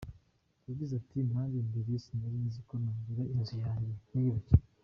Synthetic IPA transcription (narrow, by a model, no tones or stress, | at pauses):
jaɟizatʰimaːlimbiɾisinaɾinzikonaːɲɡiɾainzujaːɲɟeniiβici